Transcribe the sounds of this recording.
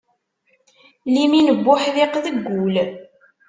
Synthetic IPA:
liminəbːʊħðɪqðəɡːul

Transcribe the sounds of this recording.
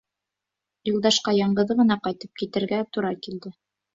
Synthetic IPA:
julˠd̪ɑʃqɑjɑɴɢɤ̆ðɤʁɤ̆nɑqɑjt̪ɤp̚kit̪ɘ̆ɾɡæt̪uɾɑkild̪ɘ

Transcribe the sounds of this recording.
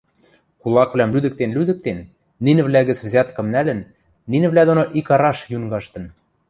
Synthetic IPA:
kulˠɑkβlæmlyd̪ə̆k̚t̪enlyd̪ɘ̆k̚t̪enː | inɘ̆βlæɣɘ̆t͡svzʲɑt̪kɤ̆mnælɘ̆nː | inɘ̆βlæd̪onoʔikɑɾɑʃjuŋɡɑʃt̪ɤ̆n

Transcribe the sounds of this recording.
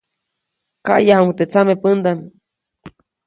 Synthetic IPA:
ka̰ʔjahamut̪et͡samepənd̪am

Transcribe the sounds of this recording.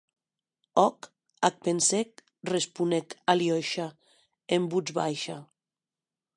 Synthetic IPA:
ɔk | ak̚pensek̚ | respunekaljɔjʃa | embud͡ʒβa̰jʃa

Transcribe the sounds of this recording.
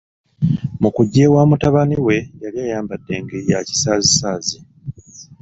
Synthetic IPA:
mukuɟːeːwaːmutaβaniwe̞jaliaːjaːmbadːe̞ːŋɡejaci̥saːzisaːzi

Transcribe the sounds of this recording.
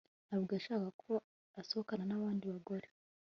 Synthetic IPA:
aβɡaʃakakʰo̞ | aso̞hokananaβaːndiβaɡoɾe

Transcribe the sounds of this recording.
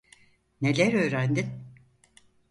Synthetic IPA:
ne̞lʲæɾø̞ːɾænd̪in

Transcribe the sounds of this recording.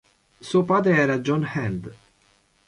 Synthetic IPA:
suːopaːd̪ɾeɛːɾad͡ʒɔnhɛnd̪

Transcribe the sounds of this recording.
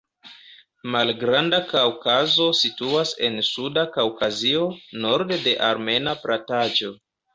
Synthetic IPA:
malɡɾandakawkazo̞situase̞̰nsudakawkazio̞no̞ɾdde̞ʔaɾme̞napɾatad͡ʒo̞

